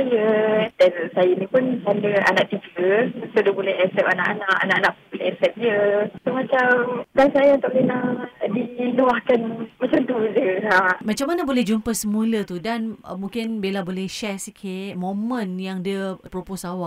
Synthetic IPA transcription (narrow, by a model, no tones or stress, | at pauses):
ajədansajənĩpʊnsandəa̰naʔt̪iɡəsodəbolɛɦɛsɛpana̰ʔanaʔanaʔanãʔpbolɛɛsɛp̚diəsomãt͡ʃamdansajaunt̪ʊʔ̚dənadiluahkanmat͡ʃamt̪ud͡ʒəamat͡ʃamːanəbolɛhd͡ʒumpəsəmũlət̪udan̰mũŋkɪnbelabolɛhʃɛsikʰɪt̚mõmə̃njaŋdəpɾoposawaʔ